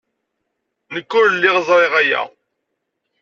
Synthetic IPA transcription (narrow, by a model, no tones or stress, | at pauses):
nəkːʊɾlːɪʁəzˤɾˤeʁæjæ̰